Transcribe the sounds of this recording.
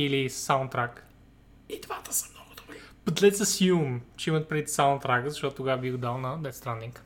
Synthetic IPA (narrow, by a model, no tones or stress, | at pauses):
ilisaʊ̃nt̪ɾak | id̪vat̪ə̥sə̥mnɔɡʊd̪obɾib̥ɐt̪lɛt̪sɐsjumt͡ʃɛimət̪̚pɾɛd̪it̪saʊ̃nt̪ɾakəzɐʃt̪ɔt̪ʊt̪ʊɡavəbiɡʊd̪alˠnɐd̪ɛt̪st̪ɾanːiŋk